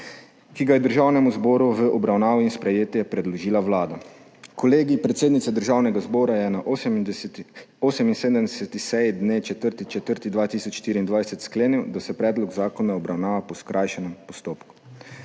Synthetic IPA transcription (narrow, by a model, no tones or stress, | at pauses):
kiɡajɛd̪əɾʒaːwnɛmuzbɔːɾuʋəʔɔbɾawnaːʋiinspɾɛjeːt̪jɛpɾɛd̪lɔʒiːlawlaːd̪a | kɔleːɡipɾɛt̪seːd̪nit̪sɛd̪əɾʒaːwnɛɡazbɔːɾajɛnaʔ | oːsɛminseːd̪əmd̪ɛsɛt̪ixsɛjid̪neːt͡ʃɛt̪əɾt̪it͡ʃɛt̪əɾt̪id̪ʋaːt̪iːsɔt͡ʃʃt̪iːɾiːnd̪ʋajsɛt̪skleːniwd̪asɛpɾɛːd̪lɔɡzaːkɔnaɔbɾawnaːʋapɔskɾʔajʃɛnɛmpɔst̪oːpku̥